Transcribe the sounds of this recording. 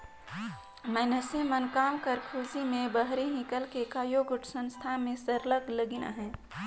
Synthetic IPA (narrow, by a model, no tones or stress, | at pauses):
mɛːnəsemənkaːmkəɾkʰuːd͡ʒimẽbəɦɾiɦɪ̃kəlkekaːjoɡʊʈʰsə̃nst̪ʰamẽsəɾləɡləɡina̰ɦɛ̃ː